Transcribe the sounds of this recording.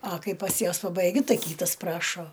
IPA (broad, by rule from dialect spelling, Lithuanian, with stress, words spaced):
ɐ ˈkɐɪ pɐs ˈjuɔs pɐbɐɪˈɡʲʊ ˈtɐɪ ˈkʲiːtɐs ˈprɑːʃoː